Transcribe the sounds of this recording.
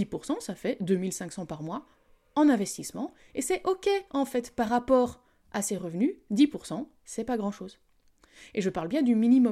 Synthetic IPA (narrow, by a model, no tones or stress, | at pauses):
ipuʁsɑ̃safɛd̪ømilsɛ̃ksɑ̃paʁmwa | ɑ̃nɛ̃vɛst̪ismɑ̃ | esɛʔɔkʲɛɑ̃fɛt̪paʁːapɔʁ | ʔaseʁəvnyd̪ipuʁsɑ̃ | sɛpaɡʁɑ̃ʃoːz | eʒəpaʁlbjɛ̃d̪yminimɔ